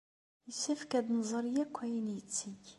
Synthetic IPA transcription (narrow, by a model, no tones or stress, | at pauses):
jəsæfkæd̪nzˤəɾˤjækʷːæjənjət͡sːiç